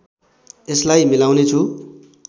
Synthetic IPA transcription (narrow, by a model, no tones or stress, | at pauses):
eslajmilawnet͡sʰu